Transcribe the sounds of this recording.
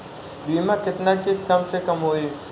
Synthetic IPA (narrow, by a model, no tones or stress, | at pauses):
ɓiːmãːkɪt̪naːkekɐmsekɐmɦoːeː